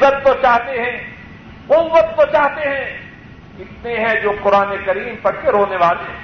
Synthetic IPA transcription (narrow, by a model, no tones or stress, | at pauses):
ɐt̪̚kot͡ʃaːɦt̪eɦɛ̃ | ʊmbət̪̚k̪ot͡ʃaːɦt̪eɦɛ̃ | ɪt̪neɦɛ̃d͡ʒoːqʊɾaːnekɐɾiːmpɐɽkeɾoːneʋaːle